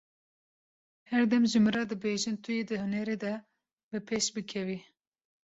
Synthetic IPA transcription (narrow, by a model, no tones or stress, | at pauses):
hɛɾd̪ɛmʒɨmɨɾɑːd̪ɨbeʒɨnt̪ʰɨjed̪ɨhɨnɛɾed̪ɛ | bɨpʰeʃbɨkʰɛvi